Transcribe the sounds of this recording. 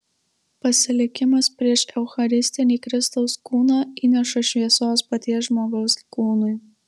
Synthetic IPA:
pɐsʲɪlʲɪkʲɪmɐspʲɾʲiɛʃɛʊxɐɾʲɪsʲt̪ʲɪnʲiːkɾʲɪst̪ɐʊskuːnɑːiːnʲɛʃɐʃʲʋʲiɛsoːspɐt̪ʲiɛsʒmoːɡɔʊskuːnʊɪ

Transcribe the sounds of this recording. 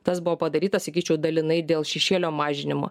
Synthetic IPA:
t̪ɐsbʊʋoːpɐd̪ɐɾʲiːt̪ɐsɐkʲiːt͡ʃʲɛʊd̪ɐlʲɪnɐɪd̪ʲeːlˠʃʲɛʃʲeːlʲoːmɑːʒʲɪnʲɪmo̰ː

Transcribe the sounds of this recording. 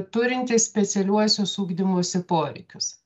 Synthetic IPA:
t̪ʊɾʲɪnʲt̪ʲɪssʲpʲɛt̪sʲɛlʲuɔsʲoːsuːɡd̪ʲɪmoːsʲɪpoːɾʲɛ̰ɪkʲʊs

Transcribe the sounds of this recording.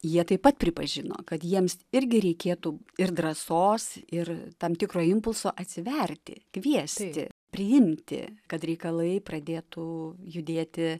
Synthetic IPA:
jiɛt̪ɐɪpɐt̪̚pʲɾʲɪpɐʒʲɪno̰ːkɐt̪jiɛmsɪɾʲɡʲɪɾʲɛɪkʲeːt̪uːɪrd̪ɾɐsoːsɪrt̪ɐmt̪ʲɪkɾoːɪmpʊlˠsoːʔɐt̪ʲsʲɪʋʲɛrʲt̪ʲɪ̰kʋʲiɛsʲt̪ʲɪ̰pʲɾʲɪɪmʲt̪ʲɪ̰kɐt̪ɾʲɛɪkɐlˠɐɪprɐd̪ʲeːt̪ʊjʊd̪ʲeːt̪ʲɪ

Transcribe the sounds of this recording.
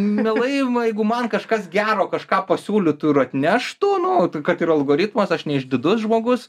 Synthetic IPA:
mʲɛlˠɐɪjɛɪɡʊmɐnkɐʃkɐsɡʲæːɾoːkɐʃkɑːpɐsʲuːlʲʊt̪ʊɪɾɐt̪ʲnʲæʃt̪uːnʊkɐt̪ɪrɐlˠɡoːɾʲɪt̪mɐsɐʃnʲɛɪʒʲd̪ʲɪd̪ʊsʒmoːɡʊs

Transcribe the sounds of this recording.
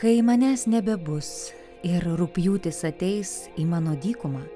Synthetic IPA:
kɐɪmɐnʲæsnʲɛbʲɛbʊs | ɪɾɾʊpʲjuːt̪ʲɪsɐt̪ʲɛɪsiːmɑːnoːd̪ʲiːkʊmɑː

